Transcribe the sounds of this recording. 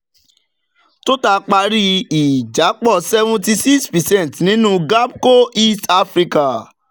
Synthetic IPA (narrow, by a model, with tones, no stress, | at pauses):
to˦ta˧k͡pa˧ɾi˦i˨d͡ʒa˨˦k͡pɔ˦˨sɛ˧vũ˧ti˧si˦kspɛ˨sɛ̃˦˨n˨tnĩ˨˦nũ˦ɡa˦b̚ko˦i˦sta˦fɾi˧ka˨